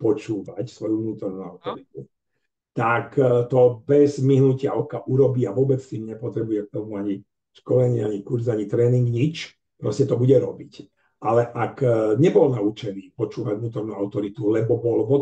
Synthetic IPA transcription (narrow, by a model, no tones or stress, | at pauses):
pɔt͡ʃuːʋacsʋɔjuvnuːt̪ɔɾnuaʊt̪ɔɾit̪u | t̪akt̪ɔbɛzmiɦnucɪaɔkaʔuɾɔbiːaʋʊɔbɛt͡st̪iːmɲɛpɔt̪ɾɛbujɛk̚t̪ɔmuaɲi | ʃkɔlɛɲiaɲikuɾzaɲit̪ɾɛːniŋɡɲit͡ʃ | pɾɔscɛt̪ɔbuɟɛɾɔbic | ʔalɛʔakɲɛbɔlnaut͡ʃɛniːpɔt͡ʃuːʋaɟvnuːt̪ɔɾnuaʊt̪ɔɾit̪ulɛbɔbɔlɦɔ